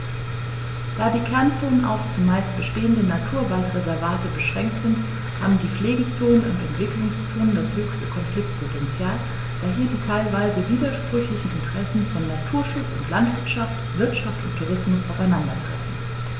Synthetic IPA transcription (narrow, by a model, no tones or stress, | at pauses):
d̥aːdiːkʰɛɐnt͡soːnənʔa̰ʊft͡sʊmːaɪst̚b̥əʃteːəndənatʰuːɐvaltʁezɛɐvaːtəbəʃʁ̥ɛŋk̚tz̥ɪnt | ha̰ːbm̩diːp͡fleːɡət͡soːnənʊ̰ntɛntv̥ɪklʊŋst͡soːnəndashøːçstə̥kʰɔnflɪk̚t̚pʰotʰɛnt͡sjaːl | d̥aːɦiːditʰaɪlvaɪzəviːdɐʃpʁ̥ʏçlɪçn̩ɪntʰəʁɛsn̩fɔnːatʰuːɐʃʊt͡sʊntlantv̥ɪɐtʃaft | v̥ɪɐtʃaftʊntʰːuʁ̞ɪsmʊsʔaʊfaɪnandɐtʁ̥ɛ̰fn̩